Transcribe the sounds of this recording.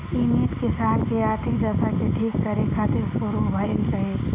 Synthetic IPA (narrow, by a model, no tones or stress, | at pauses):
init̪kɪsaːnkeaːɾt̪ʰɪkd̪ɐʃakeʈʰiːkːəɾekʰaːt̪ɪɾsʊɾubʱajənɾɐɦe